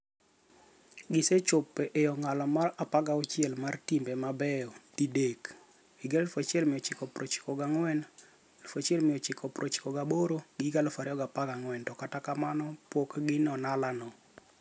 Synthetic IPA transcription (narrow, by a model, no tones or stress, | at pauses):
ɡɪset͡ʃʊpːɛʔejɔŋalɔmarapaɡaɔt͡ʃɪɛlmartimbemabɛjɔtidek | iɡelfot͡ʃɪɛlmɪjɔt͡ʃɪkɔpɾot͡ʃi̥kɔɡaŋwɛn | lfot͡ʃɪɛlmɪjɔt͡ʃɪkʰɔpɾot͡ʃi̥kɔɡaboɾoɡiɡalfaɾɪɔɡapaɡaŋwɛntɔkatakamanɔpwokɡɪnɔnalanɔ